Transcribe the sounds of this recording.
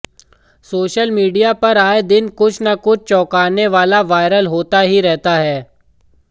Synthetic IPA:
soːʃəlmiːɖijapɐɾaːed̪ɪnkʊt͡ʃʰnakʊt͡ʃʰt͡ʃɔːkaːneʋaːlaʋaːɪɾəlɦoːt̪aɦiɾɛɦt̪aɦɛː

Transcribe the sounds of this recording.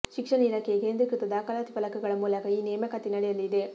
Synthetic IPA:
ʃikʂɐnɐilaːkʰekeːnd̪ɾɐkɾit̪ɐd̪aːkɐlaːt̪ipɐlɐkɐɡɐɭɐmuːlɐkɐiːneːmɐkɐt̪inɐɽɛjɐlːid̪e

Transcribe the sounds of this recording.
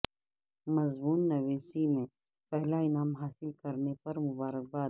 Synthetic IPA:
mɐzmuːnːɐʋeːsimẽ | pɛɦlaɪnaːmɦaːsɪlkɐɾnepɐɾmʊbaːɾək̚baː

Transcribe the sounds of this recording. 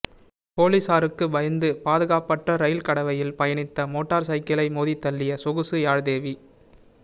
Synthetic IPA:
poːlisaːɾɯkːɯbɐjɐnd̪ɯpaːðɯɣaːpːɐʈrɐɾɐjɪlkɐɽɐʋɐjɪlpɐjɐɳɪt̪ːɐmoːʈːaːɾsɐɪkɐlɐɪmoːðit̪ːɐlːɪjɐsɔɣɯsɯjaːɻðeːʋi

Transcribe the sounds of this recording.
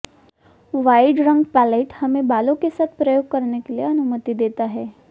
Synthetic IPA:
ʋaːɪɖɾɐ̃ŋɡpɛːleːʈhɐmẽbaːlõkesaːt̪ʰpɾɐjoːɡ̚kɐɾnekelieɐnʊmət̪id̪eːt̪aɦɛː

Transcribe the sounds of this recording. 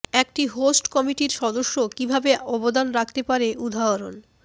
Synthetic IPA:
ɛk̚ʈiɦosʈkɔmiʈiɾʃɔd̪oʃːokibʱabeɔbod̪anɾakʰt̪epaɾeʔud̪ʱaoɾon

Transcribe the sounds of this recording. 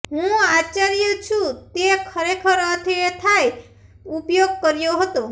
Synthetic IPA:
ɦũat͡ʃaɾjot͡ʃʰũt̪ekʰəɾekʰəɾət̪ʰet̪ʰaj | upjoɡ̚kəɾjoɦət̪o

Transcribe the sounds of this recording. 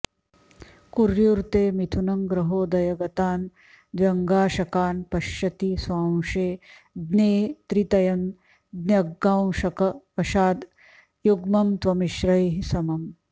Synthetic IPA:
kuɾjuɾt̪eːmit̪ʰunɐŋɡɾɐɦoːd̪ɐjɐɡɐt̪aːn | d̪ʋjɐŋɡaːʃɐkaːnpɐʃjɐt̪isʋaːwʂeː | d̪neːt̪ɾit̪ɐjɐm | d̪njɐɡːaːwʃɐkɐpɐʃaːd̪ | juɡmɐmt̪ʋɐmiʃɾɐjɦisɐmɐm

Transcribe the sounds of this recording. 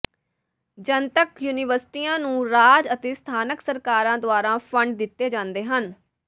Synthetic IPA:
d͡ʒənt̪əkjuːnɪːʋəɾsʈiːãːnũːɾaːd͡ʒət̪eːst̪ʰaːnəksəɾkaːɾãːd̪ʊaːɾãːpʰəɳɖd̪ɪt̪ːeːd͡ʒãːnd̪eːɦən

